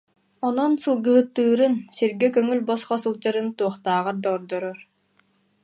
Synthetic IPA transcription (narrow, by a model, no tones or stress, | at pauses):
ɔnɔnsɯlˠɡɯɦɯt̪ːɯːɾɯnsiɾɡɛkœŋylʲbɔsχɔsɯlˠd͡ʑaɾɯnt̪uɔχt̪aːʁaɾd̪ɔːɾd̪ɔɾɔɾ